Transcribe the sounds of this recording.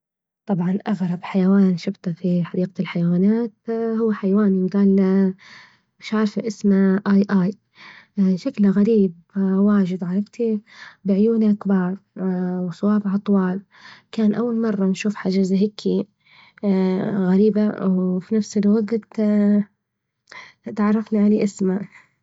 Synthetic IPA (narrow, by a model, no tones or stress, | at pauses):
t̪ˤɑbʕɑnʔaɣɾˤɑbħajawaːnʃɪbt̪afiħɑdiːqalħajawaːnaːt̪hʊwːaħajawaːniwɡaːl | mɪʃʕɑɾˤfaʔɪsmaʔaːjʔaːj | ʃaklɣaɾiːb̚ | waːʒɪd̪ʕɑɾˤɑbt̪ibɪʕjuːnaʔkbɑːɾˤwsˤɑwɑːbʕɑt̪ˤwɑːl | kaːnʔawːalmɑrˤːɑnʃuːfħad͡ʒazaɦɪkʰːi | ɣaɾiːbawfinafsɪlwaɡt̪t̪ | t̪ʕɑrˤːɑfniʕaliːʔɪsma